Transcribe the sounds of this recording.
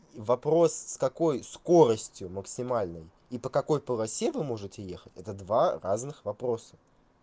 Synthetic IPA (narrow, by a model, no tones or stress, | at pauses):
vɐpɾo̞sːkɐko̞jsko̞ɾəsʲtʲjʊməksʲɪmalʲnəj | ipəkɐko̞jpəlˠɐsʲevɨmo̞ʐɨtʲɪjexətʲɛt̪əd̪varaznɨxvɐpɾo̞sə̥